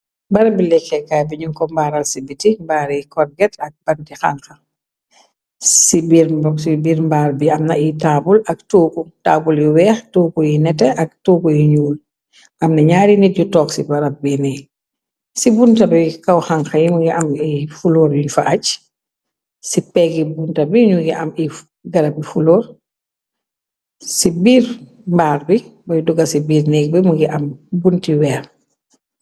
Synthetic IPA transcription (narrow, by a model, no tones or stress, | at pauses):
bɐɾɐbilɛkːɛkːaːbiɲuŋkɔmbaːɾɐlsibitimbaːɾijkɔrɡɛtʰɐk̚bɐntixa̰ŋxɐ | sibiɾmbɔksibiːɾmbaːɾbiɐmnɐitaːbulɐk̚tuːkutaːbuljiwɛːxtuːkujinɛtɛʔɐk̚tuːkujiɲuːl | ʔɐmnɐɲaːɾinit̚ɟutɔːksibɐɾɐp̚binɛj | sibuntɐbɛjkɐwxaŋxɐjimuɡiʔɐmifulɔːɾjuɲfaʔac | sipɛːɡibuntɐbiɲuɡiʔɐmi | ɡɐɾɐbifulɔːɾ | sibiːɾ | mbaːk̚bibɔjduɡɐsibiːɾnɛːk̚bimuɡiʔɐmbuntiwɛːx